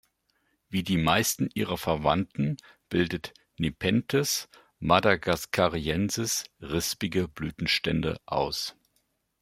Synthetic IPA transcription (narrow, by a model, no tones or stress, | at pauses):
viːdiːmaɪstn̩ʔiːʁ̞ɐfɛɐva̰ntn̩ | b̥ɪldət | nepʰɛntʰɛs | madaɡaskʰaʁiɛnzɪsʁɪspɪɡəblyːtn̩ʃtɛndə̰ʔa̰ʊs